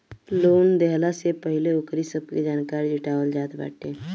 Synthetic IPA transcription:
loːnd̪ɛɦlasepəɦɪleʊkɾisəb̚ked͡ʒaːnkaːɾid͡ʒɪʈaːwəld͡ʒaːd̪ba̰ːʈeː

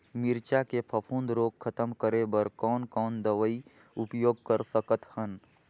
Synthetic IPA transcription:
mɪɾt͡ʃakepʰəpʰũːnd̪ɾoːɡ̚kʰət̪əmkəɾebəɾkɔːnkɔːnd̪əʋəi | ʊpjoːɡ̚kəɾsəkət̪hən

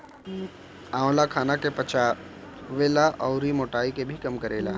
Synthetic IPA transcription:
ãːwlakʰaːnakepɐt͡ʃaː | ʋeːlaʔɔʊɾimoːʈaːikebʱikɐmkɐɾeːla̰ː

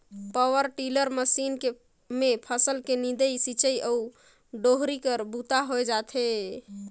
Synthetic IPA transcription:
pəwəɾʈiləɾməsinke | mepʰəsəlkenid̪əjsit͡ʃəjʔəu | ɖoɦɾikəɾbut̪aɦojd͡ʒat̪ʰe

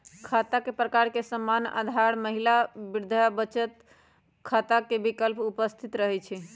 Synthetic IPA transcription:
kʰat̪akepɾəkaɾkesəmːana̰d̪ʱaɽməɦilabiɾd̪ʱabət͡ʃət̪ | kʰat̪akebikəlpupəst̪ʰit̪ɾəɦɛt͡ʃʰɛ

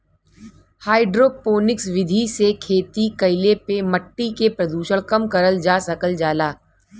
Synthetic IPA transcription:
haːɪɖɾoːpoːnɪksʋɪd̪ʱisekʰeːt̪ikɐɪlepemɐʈːikepɾɐd̪uːʃəɽ̃kɐmkɐɾəld͡ʒaːsɐkəld͡ʒaːlaː

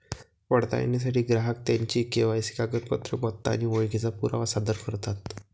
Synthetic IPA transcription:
pəɽt̪a̰ja̰nːas̬aʈiːɡɾaɦək̚t̪jaɲt͡ɕiːkeʋajsi̥kaɡət̪̚pət̪ɾəmɔt̪ːa̰ñiʋojɡit͡sapuɾa̰ʋasad̪əɾkəɾt̪at̪

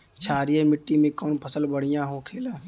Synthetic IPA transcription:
t͡ʃʰaːɾijemɪʈːimẽkɔːnpʰəsəlbəɽ̤ijãɦokʰeːla

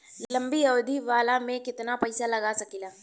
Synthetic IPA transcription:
llɐ̃mbijɐʋd̪ʱiʋaːlamẽkɪt̪napɐɪsalɐɡasɐkilaː

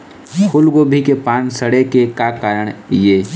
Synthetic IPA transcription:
kʰʊlɡobʱikepaːnsəɽekekakaːɾəɽ̃jeː

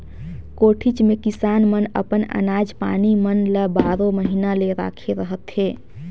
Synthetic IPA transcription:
koʈʰit͡ʃmekisanmənə̰pənə̰nad͡ʒpa̰nimənləbaɾoməɦinaleɾa̰kʰeɾəɦət̪ɦe

